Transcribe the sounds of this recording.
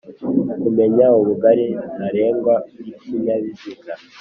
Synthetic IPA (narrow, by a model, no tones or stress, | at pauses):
kume̞ɲauβuɡaɾinaɾe̞ːŋɡwauɾiksiɲaβiziɡa